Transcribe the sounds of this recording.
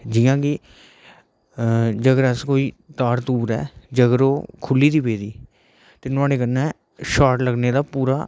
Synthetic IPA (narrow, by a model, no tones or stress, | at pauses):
d͡ʒɪjãːkɪ | d͡ʒəɡəɾəskoːiː | t̪aːɾt̪uːɾɛːd͡ʒəɡəɾoːkʰʊlːiːd̪iːbeːd̪iː | t̪eːnʊãːɽeːkənːɛ̃ː | ʃaːʈləɡneːd̪aːpuːɾaː